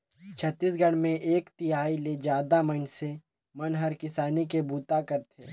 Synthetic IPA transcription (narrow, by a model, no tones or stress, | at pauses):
t͡ʃʰət̪ːiːsɡɐɽ̃mẽʔeːkt̪iaːiled͡ʒjaːd̪amənse | mɐnɦɐɾkɪsaːnikebuːt̪akɐɾt̪ʰeː